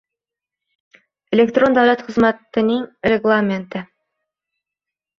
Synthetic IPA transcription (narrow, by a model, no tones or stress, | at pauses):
elʲekt̪ro̞nd̪awlat̪χə̆zmæt̪ɘ̆nəŋrʲeɡlˠamʲent̪ə